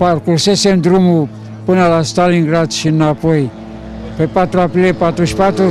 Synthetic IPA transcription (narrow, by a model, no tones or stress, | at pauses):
paɾkuɾsesemdɾumu | pɨnalastaliŋɡɾatʃinːapoj | pepatɾuaplepatuspatu